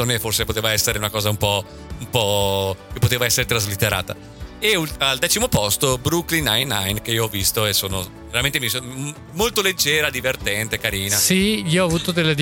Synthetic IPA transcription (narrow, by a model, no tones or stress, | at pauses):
omeforsepot̪eːvaɛsːeɾeunakɔːzaumpɔ | umpɔkepːot̪eːvaɛsːeɾet̪ɾazlit̪ːeɾʔa̰ːt̪a̰ | eulald̪ɛːt͡ʃimopɔst̪obɾuklinajnajnk̟eiːoɔvːist̪oesoːno | veɾament̪emiso | molt̪oled͡ʒːɛːɾad̪ivert̪ɛnt̪ekaɾiːnasiiːoɔavuːt̪od̪elːed̪i